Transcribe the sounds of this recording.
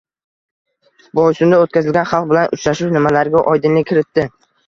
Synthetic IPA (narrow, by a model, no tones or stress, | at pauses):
bɒjsʊnd̪aot̪̚kʲazɪlɡʲanχɑlˠq̚bɪlanʔʊt͡ʃɾaʃʊwnɪmalaɾɡʲaʔɒjd̪ɪnlɪkʲʰɪɾɪt̪ːɪ